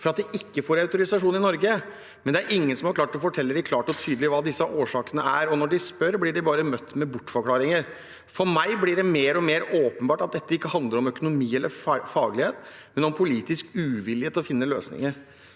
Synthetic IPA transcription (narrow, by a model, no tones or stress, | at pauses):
fɔɾɑt̪d̪ɛʔɪkːəfoːɾɑʉt̪ʊɾɪsɑʂuːnɪnɔɾɡə | mɛnd̪ɛæɾʔɪŋːənsɔmhɑɾkʰlɑːʈ̪ɔfɔʈʰɛlːəɖɪkʰlɑːʈɔt̪ʰyːd̪əlɪʋɑːd̪ɪsːɑʔoːʂɑːkənəæɾɔnɔɖɪspœɾblɪɖɪbɑːɾəmœt̪ːmɛbʊʈːfɔɾkʰlɑːɾɪŋəɾ | fɔɾmæɪblɪɖɛmeːɾɔmeːɾoːpənbɑːʈɑt̪̚d̪ɛt̪ːəɪkːəhɑnd̪ləɾɔmœkʊnʊmiːɛlʔəɾfɑːɡlɪheːt̪mɛnɔmpʰʊliːt̪ɪskʉːʋɪlːɪheːt̪ɔfɪnːəløːsnɪ̰ŋəɾ